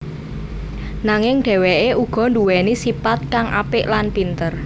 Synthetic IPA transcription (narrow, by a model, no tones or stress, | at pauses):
naŋɪŋɖ̥ɛ̤wɛʔeʔuɡ̥ɔ̤nduwɛnisipat̪̚kaŋʔa̰pɪʔlanpint̪ər